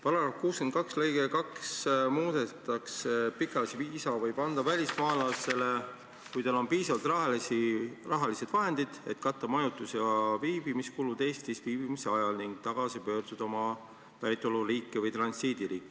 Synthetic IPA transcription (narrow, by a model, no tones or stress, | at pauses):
pɑlɑɾɑfkuːskent̪̚kɑkslejɡ̥ekɑksmuːd̪et̪ˑɑksepikːˑɑlɑsiviːsɑvɤjpɑnd̪̥ɑvælʲismɑːlɑse̞le | kujt̪ɑlo̞npiːsɑvɑlt̪rɑirɑɦɑlise̞d̪̥vɑɦe̞nd̪̥id̪̥e̞̰t̪kɑt̪ːˑɑmɑjut̪ːˑusjɑviːbimiskulud̪̥e̞ːst̪isviːb̥imise̞ɑjɑlniŋɡ̥̚t̪ɑɡ̥ɑsipø̞ːɾd̪̥ud̪ɑo̞mɑ | væjt̪ːˑoluriːkːˑivɤjt̪rɑnsiːd̪̥iɾiːkːˑi̥